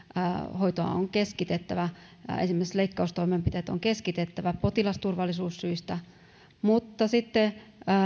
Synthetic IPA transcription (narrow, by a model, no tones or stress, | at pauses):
hoit̪oɑ̰o̰ŋkeskit̪et̪ːæʋæḛnsimːeˑse̥t̪leikːɑust̪oimempit̪eːt̪o̰ŋkeskit̪et̪ːæʋæpot̪ilɑst̪urʋɑlːisuːsːyist̪æ | mut̪ːɑsit̪ːe